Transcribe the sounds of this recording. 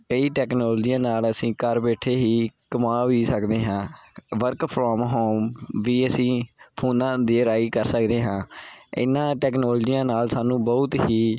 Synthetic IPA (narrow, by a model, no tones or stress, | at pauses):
kəiːʈɛːknɔːld͡ʒijãːnaːləsĩːkəɾbɛːʈʰeːɦiːkəmaːʋiːsəkd̪eːɦãːʋəɾkpʰɾɔːmɦoːʋiːəsĩːpʰuːnãːd̪iːɾaːiːkəɾsəkd̪eːɦãːɪ̰nːãːʈɛːknoːld͡ʒiːãːnaːlsaːnũːbɔʊt̪ɦiː